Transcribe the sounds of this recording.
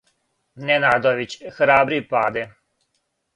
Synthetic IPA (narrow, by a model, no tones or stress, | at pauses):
nenaːd̪oʋit͡ɕxɾaːbɾipaːd̪e